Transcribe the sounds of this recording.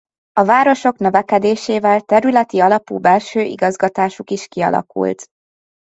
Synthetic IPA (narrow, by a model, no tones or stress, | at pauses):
ɒvaːɾo̞ʃo̞knø̞vɛkɛd̪eːʃeːvɛlt̪ɛɾylɛt̪iɒlɒpṵːbɛlʃøːʔḭɡɒzɡɒt̪aːʃukiʃkiɒ̰lʔɒ̰kṵlt̪